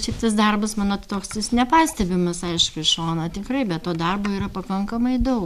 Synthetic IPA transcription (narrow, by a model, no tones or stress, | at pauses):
t͡ʃʲɛɪpt̪ɐs̬d̪ɐrbɐsmɑːnoːt̪t̪oːkstɐɪsnʲɛpɑːsʲt̪ʲɛbʲɪmɐsɐɪʃkʊɪʃoːnɐːt̪ʲɪkrɐɪbʲɛttoːd̪ɐrboːiːɾɐpɐkɐŋkɐmɐɪd̪ɐʊ